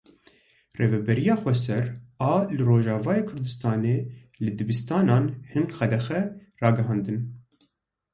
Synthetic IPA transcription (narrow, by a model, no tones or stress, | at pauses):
reːvɛbɛɾijɑːxʷɛs̬ɛɾɑːlɨroːʒɑːvɑːjeːkʰʊɾd̪ɨst̪ɑːneː | lɨd̪ɨbɨst̪ɑːnɑːnhɨnxɛd̪ɛxɛrɑːɡɨɦɑːnd̪ɨn